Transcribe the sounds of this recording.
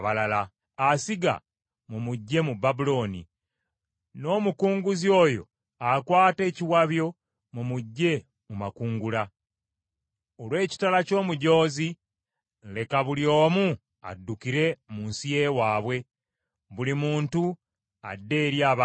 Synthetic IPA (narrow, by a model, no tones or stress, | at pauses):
βalalaː | siɡa̰ | mumuɟːe̞mubabulo̞ːnḭ | no̞ːmukuːŋɡuzio̞ːjo̞̰ | akwaːte̞ːciwaβjo̞ | mumuɟːe̞ | mumakuːŋɡula | olwe̞ːci̥talaco̞ːmuɟo̞ːzi | n̩le̞kaβuljo̞ːmu | a̰dːukiɾe̞munsije̞waːβwe̞ | βulimuːntu | a̰dːe̞ːɾjaːβ